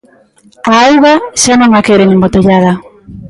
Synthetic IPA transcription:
aawɣaʃanõŋakeɾeŋembot̪eʎaða

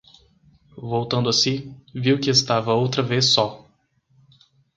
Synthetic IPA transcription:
vowt̪ɐ̃nd̪ʊɐsiviwkɪest̪avɐowt̪ɾɐvesɔ

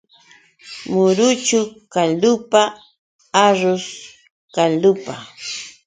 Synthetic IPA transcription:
mʊɾʊt͡ʃʊkalʊpa | aɾʊs | kalʊpa

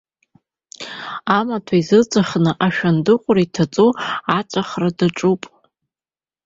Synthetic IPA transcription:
amatʰaizɨt͡sʼaχnɨʔaʃᶣandɨqʷʼʊraitʰat͡sʼuat͡ʃʷʼaχradaʈ͡ʂʼupʼ

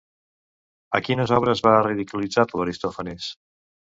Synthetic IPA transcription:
əkinəzɔβ̞ɾəzβariðikulid͡zat̪ləɾist̪ɔfənis

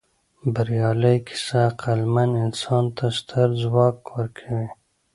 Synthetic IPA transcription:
bɐɾijɑːləjkʰi̥saqalmanɪnsɑːnt̪ʰast̪ʰɐɾzwɑːkwəɾkʰawe

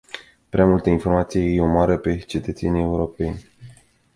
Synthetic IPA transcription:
pɾeamult̪əinfo̞rmat̪sijejejeomaɾəpe̞t͡ʃe̞t̪ət̪se̞nie̞uɾo̞penʲ

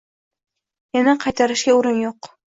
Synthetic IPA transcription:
janaqʰɑjt̪ʰaɾɪʃɡʲauɾɪnjoq

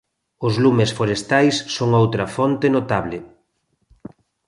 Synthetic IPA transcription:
ʊzlumesfoɾest̪ajsːoŋowt̪ɾɐfɔnt̪enot̪aβlɪ

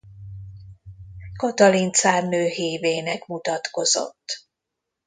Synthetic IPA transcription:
kot̪ɒlint̪saːrnøːɦeːveːnɛkmut̪ɒt̪ko̞zo̰t̪ː

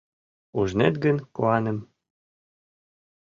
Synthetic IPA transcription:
uʒnet̪ɡə̆nkoɑnə̆m

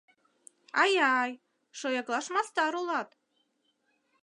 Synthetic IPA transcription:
ajaj | ʂojaɡlˠaʂmast̪aɾolˠat̪

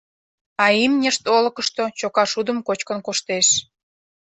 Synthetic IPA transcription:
ɑimnʲəʃt̪olə̆kəʃt̪ot͡ɕokɑʃud̪əmkot͡ɕkənkoʃt̪eʃ

